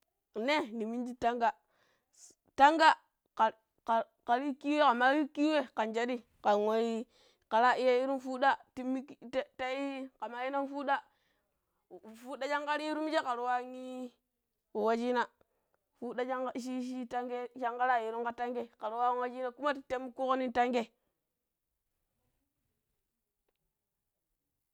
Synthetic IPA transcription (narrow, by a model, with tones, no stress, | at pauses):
ne˦ni˨mi˦nd͡ʒi˦ta˦ŋɡa˦ | ta˦ŋɡa˦ | a˨ | ka˨ɾi˦ki˦we˦ka˨ma˦ɾi˦ki˦we˦ka˨nd͡ʒa˦di˦ | ka˨ŋo˨˦ji˦ | ka˨ɾa˦i˦ja˦ji˦ɾu˦nfu˦ɗa˦ti˦mi˦ktta˦i˦ka˨ma˨ji˦na˦nfu˦da˦˨ | fu˦da˦t͡ʃa˦ŋka˦ɾi˦i˦ɾu˦mi˦d͡ʒe˦ka˨ɾu˨wa˦ŋi˦ | wu˨wa˦d͡ʒi˦na˨ | fu˦da˦d͡ʒa˦ŋ˦ʃ̬i˦ʃi˦ta˦ŋɡe˦ʃa˦ŋka˦ɾa˦˨ji˨ɾu˦ŋka˦ta˦ŋɡe˦ka˨ɾu˨wa˦ŋwa˦d͡ʒi˦na˦˨ku˦ma˦ti˨te˦m˦ku˦ko˦ni˦ta˦ŋɡe˦